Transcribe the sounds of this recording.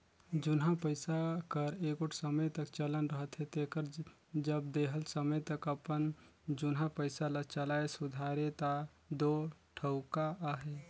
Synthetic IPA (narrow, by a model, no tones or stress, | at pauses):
d͡ʒʊnɦãpəɪsakəɾeːkʊʈʰsəməjt̪əkt͡ʃələnɾəɦət̪ɦɛt̪eːkəɾ | d͡ʒəbd̪eːɦəlsəməjt̪əkəpənd͡ʒʊnɦãpəɪsalət͡ʃəlaesʊd̪ʱaːɾet̪a | d̪oːʈʰəʊkaaɦeː